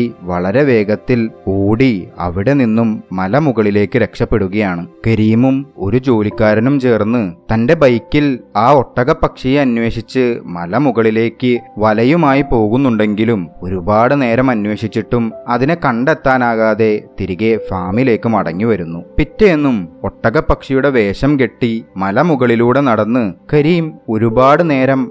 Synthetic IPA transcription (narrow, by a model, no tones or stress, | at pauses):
ʋɐɭɐɾe̞ʋe̞ːɡɐt̪ːiloːɽiɐ̰ʋiɽe̞ninːumːɐlɐmuɣɐɭile̞ːkːɨɾe̞kʂɐpːe̞ɽuɣɐjaːɳɨkeɾijmumo̞ɾud͡ʑo̞ːlikʲːaːɾɐnumt͡ɕe̞ːrnːɨt̪ɐnde̞bɐjkːilaːo̞ʈːɐɣɐpːɐkʂijɐnwe̞ːʂit͡ɕːɨmɐlɐmuɣɐɭile̞ːkːɨʋɐlɐjumaːjipo̞ːɣunːuɳɖe̞ŋɡilumoɾubaːɽɨne̞ːɾɐmɐnwe̞ːɕit͡ɕːiʈːumɐðinekɐɳɖet̪ːaːnaːɣaːðe̞t̪iɾiɣe̞faːmile̞ːkːumɐɽɐ̰ŋːiʋɐɾunːupitːeenːumo̞ʈːɐɣɐpːɐkʂijuɽe̞ʋe̞ːɕɐmke̞ʈːimɐlɐmuɣɐɭiluːɽe̞nɐɽɐnːɨkɐɾiːmo̞ɾubaːɽɨne̞ːɾɐm